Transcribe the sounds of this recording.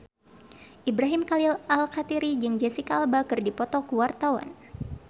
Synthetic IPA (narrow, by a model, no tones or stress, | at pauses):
ʔibɾaɦimkalilʔalkat̪iɾid͡ʒɨŋd͡ʒɛsikalbakɨrdipɔt̪ɔkuwart̪awa̰n